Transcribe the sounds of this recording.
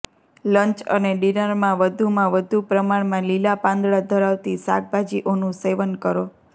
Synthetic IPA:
ləɲt͡ʃə̰neɖinəɾmãʋəd̪ʱumãʋəd̪ʱupɾəmaɳmãlilapãnd̪ɭad̪ʱəɾaʋt̪isa̰k̚bʱad͡ʒiʔonũseʋənkəɾo

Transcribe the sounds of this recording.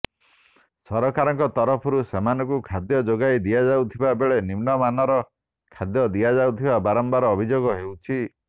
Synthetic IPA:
sɔɾɔkaɾɔŋkɔt̪ɔɾɔpʰɔɾusemanɔkukʰad̪jɔd͡ʒoɡajd̪iad͡ʒawt̪ʰibabeɭenimnɔmanɔɾɔ | kʰad̪jɔd̪iad͡ʒawt̪ʰibabaɾɔmbaɾɔːbʱid͡ʒoɡɔɦewt͡ʃʰi

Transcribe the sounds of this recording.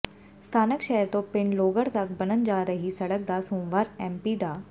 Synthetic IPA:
st̪ʰaːnəkʃɛɦəɾt̪õːpɪɳloːɡəɾt̪ɐk̚bənənd͡ʒaːɾəɦisɐɽək̚d̪aːsũːmʋaːɾɛ̃ːmpiːɖaː

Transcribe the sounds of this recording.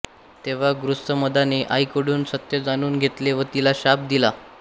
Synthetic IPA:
t̪eʋ̤aɡɾust̪əməd̪aneʔajkəɽuːnsət̪jəd͡zañuːnɡʱet̪leʋət̪ilaɕap̚d̪ila

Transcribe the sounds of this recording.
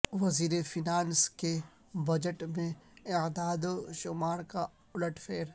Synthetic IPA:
ʋɐziːɾefinaːnske | bɐd͡ʒəʈmẽɪd̪aːd̪ʃʊmaːɾka | ʊləʈʰfʰeːɾ

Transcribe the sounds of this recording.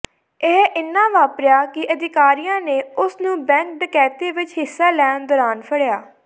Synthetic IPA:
ɪɦɪnːãːʋaːpɾjaːkɪʔəd̪ɪkaːɾijãːneːʊsnũːbɛ̃ːŋk̚ɖɪkɛːt̪eːʋɪt͡ʃɦɪsːaːlɛːnd̪ɔːɾaːnpʰəɽjaː

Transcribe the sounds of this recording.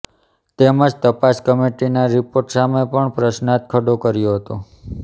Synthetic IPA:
t̪eməd͡ʒt̪əpaskəmeʈinaɾipoɾʈsamepəɳpɾəsnat̪̚kʰəɖokəɾjoɦət̪o

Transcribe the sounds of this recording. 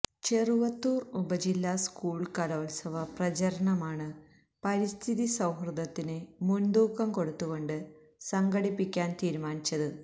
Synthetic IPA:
t͡ɕeruʋɐt̪ːuːrubɐd͡ʑilːaːskuːɭkɐloːlsɐʋɐprɐt͡ɕɐɾɐɳɐmaːɳɨ | pɐɾist̪ʰiðisɐwhrɨd̪ɐt̪ːinɨmund̪uːkːɐmko̞ɽut̪ːuɣo̞ɳɖɨ | sɐŋɡɐɽipːikʲːaːnt̪iːɾumaːnit͡ɕːɐðɨ

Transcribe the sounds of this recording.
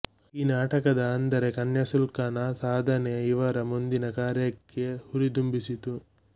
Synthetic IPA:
iːnaːʈɐkɐd̪ɐːnd̪ɐɾekɐnjɐsulkaːnɐsaːd̪ʱɐneiʋɐɾɐmund̪inɐkaːɾjɐkːe̞huɾid̪umbisit̪u

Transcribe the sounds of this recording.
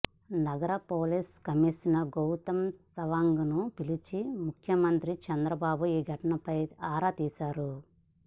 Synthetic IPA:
nɐɡɐɾɐpoːliskɐmisinɐɡowt̪ɐmsɐʋaːŋɡunupilit͡ʃimukʰjɐmɐnt̪ɾit͡ʃɐnd̪ɾɐbaːbuiːɡʱɐʈɐnɐpɐjaːɾat̪iːsaːɾu

